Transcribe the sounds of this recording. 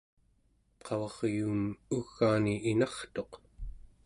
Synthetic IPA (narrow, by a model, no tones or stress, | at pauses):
qʰɑvɑʁjuːmuɣːaːniʔinɑχt̪o̞q